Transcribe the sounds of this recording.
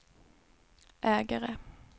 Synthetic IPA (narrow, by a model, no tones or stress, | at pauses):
ʔæːɡəʁə